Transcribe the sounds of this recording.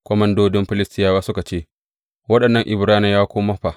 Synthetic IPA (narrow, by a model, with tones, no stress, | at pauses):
kʷɔ˦mɐ˦ndoː˦dɪ˦mɸɪ˦lɪ˦stɪ˦jaː˦waː˦sʊ˦ka˨t͡ʃeː˦ | wɐ˦ɗɐ˨nːɐ˦ŋʔɪ˨bɾaː˦nɪ˦jaː˦kʷoː˦mɐ˦ɸa˨ʔ